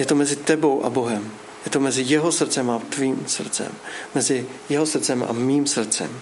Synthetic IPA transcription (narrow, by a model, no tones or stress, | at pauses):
jɛt̪o̞mɛzɪt̪ɛbo̞wʔa̰bo̞ɦɛm | jɛt̪omɛzɪjɛɦo̞sr̩tt͡sɛmat̪viːmsr̩t͡sɛ̰mːɛzɪ | jɛɦo̞sr̩t͡sɛmʔa̰miːmsr̩t͡sɛ̰m